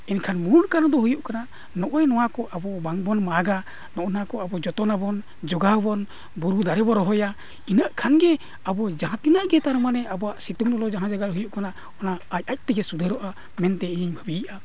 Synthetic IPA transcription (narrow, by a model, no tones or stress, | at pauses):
ɛnkʰanmunkanɔd̪ɔɦujuʔkanaʔ | nɔʔɔjnɔwakɔʔabɔbaŋbɔnmaɡa | nɔʔnakɔabɔd͡ʒɔt̪ɔnabɔn | d͡ʒɔɡabɔn | buɾud̪aɾɛbɔɾɔɦɔja | inaʔkʰanɡɛ | abɔd͡ʒaɦãt̪inaʔɡɛt̪aɾɔmanɛabɔaʔsit̪uŋnɔlɔd͡ʒaɦãd͡ʒaɡat̪̚ɦujuʔkanaʔ | ɔnaːc̚ˀac̚ˀt̪ɛɡɛsud̪ʱəɾɔʔa | mɛnt̪ɛiɲiɲbʱəbiʔa